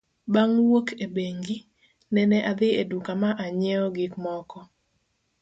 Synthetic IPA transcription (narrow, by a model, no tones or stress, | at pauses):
baŋwokʰebeŋɡi | nɛnɛʔad̪ɪedukamaʔaɲɛɔɡɪkmɔkɔ